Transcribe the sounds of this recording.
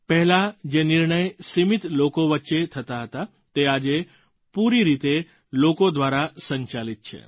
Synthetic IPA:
pɛɦɛlad͡ʒenɪɾɳəjsimit̪lokoʋətːʃet̪ʰət̪aɦət̪a | t̪ead͡ʒe | puɾiɾit̪e | lokod̪ʋaɾasə̃ɲt͡ʃalit̪̚t͡ʃʰḛ

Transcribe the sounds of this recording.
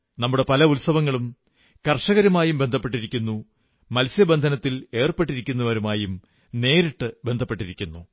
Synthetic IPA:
nɐmːuɽe̞pɐlɐulsɐʋɐŋːɐɭum | kɐrʂɐɣɐɾɐmaːjumbe̞nd̪ʱɐpːe̞ʈ̬ːiɾikʲːunːu | mɐlsjɐbe̞nd̪ʱɐnɐt̪ːile̞ːrpe̞ʈːiɾikʲːunːɐʋɐɾumaːjum | ne̞ːɾiʈːɨbe̞nd̪ʱɐpːe̞ʈːiɾikʲːunːu

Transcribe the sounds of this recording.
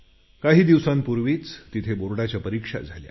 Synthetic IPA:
kaɦiːd̪iʋsãmpuɾʋiːt͡st̪it̪ʰeboɾɽat͡ɕjapəɾikʂa̰d͡zʱalja̰

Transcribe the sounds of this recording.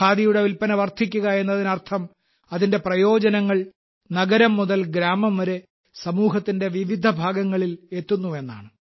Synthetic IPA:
aːd̪ijuɽe̞ʋilpɐnɐʋɐrt̪ʰikʲːuɣɐe̞nːɐðinɐrt̪ʰɐm | ɐðinde̞prɐjo̞ːd͡ʑɐnɐŋːɐɭ | nɐɡɐɾɐmːuðɐlɡɾaːmɐmʋɐɾe̞ | sɐmuːɦɐt̪ːinde̞ʋiʋid̪ʱɐbʱaːɡɐŋːɐɭile̞t̪ːunːue̞nːa̰ːɳɨ

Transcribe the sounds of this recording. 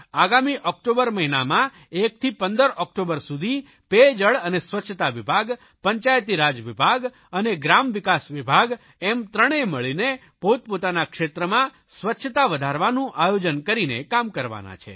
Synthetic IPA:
aɡamiʔɔk̚ʈobəɾməɦinamã | ek̚t̪ʰipənd̪əɾʔɔk̚ʈobəɾsud̪ʱi | ped͡ʒəɭənesʋətːʃʰət̪aʋibʱaɡ | pəɲt͡ʃajt̪iɾad͡ʒʋibʱaɡ | əneɡɾamʋɪkasʋibʱaɡ | ɛmt̪ɾəɽ̃eməɭine | pot̪̚pot̪anakʃet̪ɾəmã | sʋətːʃʰət̪aʋəd̪ʱaɾʋanũʔajod͡ʒənkəɾinekamkəɾʋa̰na̰t͡ʃʰḛ

